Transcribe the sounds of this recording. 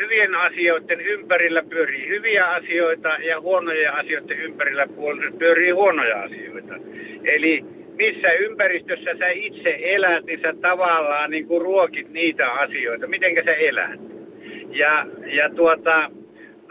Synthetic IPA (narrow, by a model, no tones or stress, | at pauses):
hyʋienɑsioˑit̪ːenympærilːæpyøriːhyʋiæɑsioˑit̪ɑjɑhuonojeɑsijoˑit̪ːeʔympærilːæpuolːepyørˑiːhuonojɑ̰ɑ̰sio̰ˑit̪ɑ̰ | eli | misːæympærist̪øsːæsæit̪seʔelæt̪ninsæt̪ɑʋɑlːˑɑːniːŋkuruokit̪niːt̪æɑsijoˑet̪ɑmit̪eŋkæsæelæ̰t̪̚ | jɑjɑt̪uot̪ɑ